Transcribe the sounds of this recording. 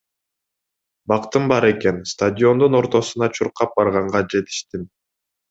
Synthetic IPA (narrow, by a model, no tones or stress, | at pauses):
bɑqt̪ɯmbɑɾe̞ke̞nst̪adʲɪo̞nd̪uno̞ɾt̪o̞sunɑt͡ʃʰuɾqɑp̚bɑɾʁɑɴʁɑd͡ʒe̞t̪i̥ʃt̪in